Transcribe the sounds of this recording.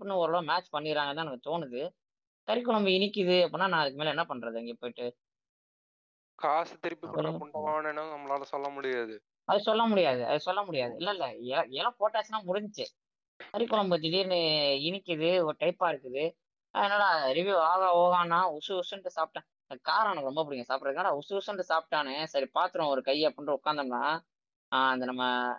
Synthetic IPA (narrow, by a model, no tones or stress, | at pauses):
pːɯnːɯ̃ɔɾɐɭoːmaːt͡ʃpɐɳːɪɪɾaːŋɡɐt̪ãːnɐŋːɡɐt̪oːnɯðɯ | kɐɾɪkːɔɭɐmbɯɪnɪkːɪðɯɐpːɯnːaːnãːɐðɯk̬ːɯmeːlɐɛnːɐpɐɳːɾɐðɯɛŋɡeːpoːɪʈːɯ | kaːsɯt̪ɪɾɯpːikkːɔɐʊɳɖɐʋaːnɛnːɐnɐmːɐlaːlɐsɔlːɐmʊɽɪjaːðɯ | ɐðɯsɔlːɐmʊɽɪjaːðɯɐ̰ðɯsɔlːɐmʊɽɪjaːðɯɪ̰lːɛɪlːɛɛlɛlãːpoːʈːaːsnaːmʊɽɪɲd͡ʒɯt͡ʃːɯ | sɐɾikɔlɐmbɐt͡ʃ̪ɪʈiːɾnɯɪnɪkːɯðɯɔɾɯʈɐɪpːaːɪɾɯk̪ːɯðɯ | ɐ̰ðɛnːaːlɐɾɪʋiaːɣɐoːɣaːnːãːʊsɯʊsɯnʈːɯsaːp̚ʈːãː | kaːɾaːnɐkːɯɾɔmbɐp̬ʊɽɪŋɡɐsaːpʈːɾɐðknaːlaʊsɯʊsɯnʈːɯsaːp̚ʈːaːnɛsɐɾipaːɾt̪ɯɾõɔɾɯkɐjːɐpːʊɳɖrɯʊkːaːnd̪ɐmlãː | ɐnd̪ɐnɐmːɐ